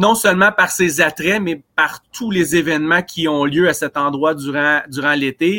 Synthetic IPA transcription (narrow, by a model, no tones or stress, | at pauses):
nɔ̃sœlmɑ̃paʁsezat̪ʁɛmɛpaʁt̪ʰulezevɛnmãkʲiɔ̃ljøasɛt̪ɑ̃d̪ʁwad̪yʁɑ̃d̪yʁɑ̃let̪e